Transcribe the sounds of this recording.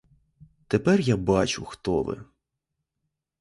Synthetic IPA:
t̪epɛrjabɑt͡ʃʊxt̪ɔʋɪ̰

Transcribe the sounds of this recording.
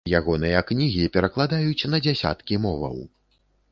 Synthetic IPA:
jaɣɔnɨjɐknʲiɣʲipʲɛɾɐklˠad̪ajut͡sʲn̪ɐd͡zʲasʲa̰t̪kʲimɔvɐ̰w

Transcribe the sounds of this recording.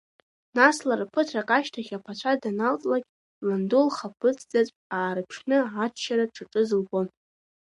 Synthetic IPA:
naslarpʰɨtʰrakʼaʃtʰaχʲapʰat͡ɕʷʰadanalt͡sʼlakʲʼ | landulχapʰɨt͡sʰʼd͡zat͡sʷʼaːɾɨpʰʃnɨat͡ʃʰʃaɾaʈ͡ʂʰaʈ͡ʂʼɨzɨlbon

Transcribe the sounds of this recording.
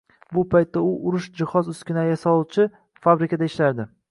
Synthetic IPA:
bʊpʰajt̪ːaʊʔʊɾʊʃd͡ʒɪhɒzʊskʲɪnajasɒlˠut͡ʃʰɪ | fabɾɪkʲʰad̪aɪʃlaɾd̪ɪ

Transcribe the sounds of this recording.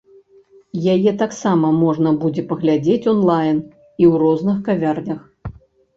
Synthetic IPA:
jajɛt̪aksamɐmɔʐnɐbud͡zʲɛpɐɣlʲad͡zʲet͡sʲɔnlˠajn | iwrɔznɨxkavʲarnʲɐx

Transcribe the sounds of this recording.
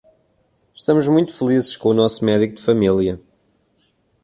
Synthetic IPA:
ʃt̪ɐmuʒmũj̃t̪u̥fɨlˠizɨʃkõunɔsumɛðikud̪fɐmilˠjɐ

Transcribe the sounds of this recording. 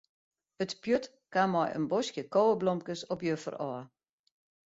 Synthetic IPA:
ətpjøt | kamɔjə̰nbɔsjəkoːəblɔmkəsɔpjøfə̰rɔə

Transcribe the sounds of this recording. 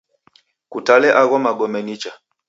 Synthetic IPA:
kutalɛʔaɣɔmaɡɔmɛnit͡ʃa

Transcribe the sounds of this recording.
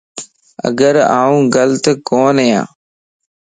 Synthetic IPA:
ə̰ɡəɾaːũːɡəlt̪koːnəjã̰ː

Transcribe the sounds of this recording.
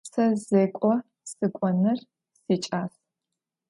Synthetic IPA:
sɐzeːkʷʼɔ | sɨkʷʼɔnɨr | sit͡ʃʼaːs

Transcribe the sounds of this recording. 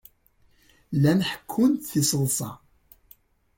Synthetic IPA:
lænħə̥kʰːʊnt̪θisəlsˤɑ̰

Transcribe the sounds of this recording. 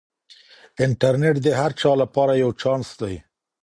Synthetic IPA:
ɪɳʈaɾneʈd̪eɦaɾt͡ʃɑlapɑɾajawt͡ʃɑnsd̪aj

